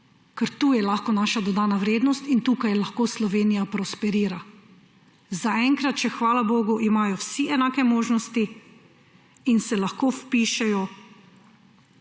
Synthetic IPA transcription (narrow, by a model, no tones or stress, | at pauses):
kɛɾt̪uːjɛlaːxkɔnaːʃad̪ɔd̪aːnaʋɾeːd̪nɔst̪int̪uːkajlaxkoːslɔʋeːnijapɾɔspɛɾiːɾa | zaɛŋkɾat̪t͡ʃɛxʋaːlaboːɡuʔimaːjɔwsiɛnaːkɛmoːʒnɔst̪i | insɛlaxkoːfpiːʃɛjɔ